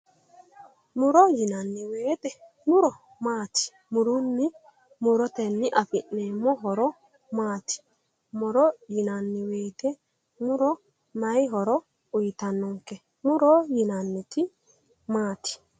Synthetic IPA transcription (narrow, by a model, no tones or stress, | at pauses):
muɾɔjinanːiweːt̪ɛ | muɾɔ | maːti̥ | muɾunːi | muɾɔt̪ɛnːiʔafiʔnɛmɔɦɔɾɔ | maːti̥ | muɾɔjinanːiweːt̪ɛ | muɾɔ | najɦɔɾɔ | ujt̪anːɔŋkɛ | muɾɔjinanːiti | maːti̥